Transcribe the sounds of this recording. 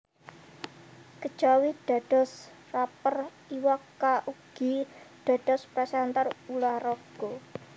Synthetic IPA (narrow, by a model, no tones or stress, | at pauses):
kə̥ʒ̥awid̥a̤ɖ̥ɔ̤s | rapər | iwakːaʔuɡ̥iɖ̥a̤d̥ɔ̤spɾɛsɛnt̪arulahrɔɡ̥o